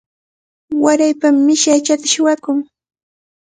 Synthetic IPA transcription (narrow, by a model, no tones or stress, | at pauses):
waɾajpamːɪʃat͡ʃat̪aʃʊwakʊŋ